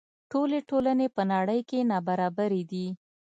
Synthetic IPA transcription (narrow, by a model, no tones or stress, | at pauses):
ʈoleʈolanepənaɽəjkenɑbaɾɑbaɾed̪i